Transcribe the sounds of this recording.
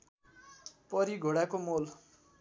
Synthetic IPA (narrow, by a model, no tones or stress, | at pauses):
pʌɾiɡʱoɽakomol